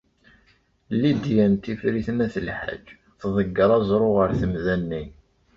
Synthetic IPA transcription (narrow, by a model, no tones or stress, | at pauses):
lid̪jænt̪ifɾiθnæθəlħa̰d͡ʒː | θðˤəɡːəɾˤɑzˤɾˤoʁəɾθəmðænːi